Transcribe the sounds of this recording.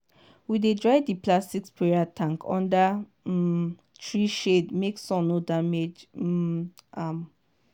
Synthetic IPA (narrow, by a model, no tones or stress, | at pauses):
widedɹaɪdiplastikspʰɹɛɹatʰãŋkʰɔ̰̃nda | tʰɹiʃedmeksɔ̃nodamed͡ʒ̩ | am